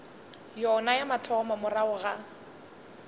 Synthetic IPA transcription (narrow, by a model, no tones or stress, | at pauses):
jɔnajamatʰɔmɔmʊraʊɣa